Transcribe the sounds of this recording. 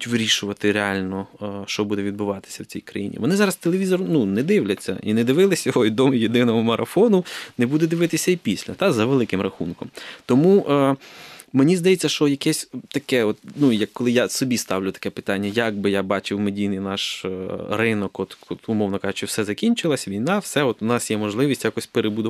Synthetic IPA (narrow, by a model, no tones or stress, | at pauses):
tʲʋɪɾʲiʃʊʋɐt̪ɪɾeɑlʲnɔʃt͡ʃɔbud̪ɛʋʲid̪̚bʊʋɑt̪ɪ̥sʲɐwt͡sʲijkɾɐjḭnʲḭʋɔnɪzɑɾɐst̪elˠeʋʲizɔrnunɛd̪ɪwlʲɐt͡sʲːɐ̰ʔḭnɛd̪ɪʋɪlˠɪsʲjɔɦɔid̪ɔmjed̪ɪnɔɦɔmɐɾɐfɔnʊnɛbud̪ɛd̪ɪʋɪt̪ɪsʲɐipʲisʲlʲɐt̪ɑzɐʋelˠɪkɪmrɐxunkɔmt̪ɔmuʔ | menʲizd̪ɐjet͡sʲːɐʃt͡ʃɔjɐkɛsʲt̪ɐkɛɔt̪nujɐkːɔlˠɪjasɔbʲist̪ɑwlʲʊt̪ɐ̥kɛpɪ̥t̪ɑnʲːɐjɐɡ̚bɪjabɑt͡ʃɪwmedʲijnɪjnɑʃ | rɪnɔkɔt̪ɔt̪ʊmɔwnɔkɑʒʊt͡ʃɪwsɛzɐkʲinʲt͡ʃɪlˠɐsʲʋʲijnɑwsɛɔt̪ʊnɑsjɛmɔʒlˠɪʋʲisʲtʲjakɔsʲpeɾebʊd̪ʊ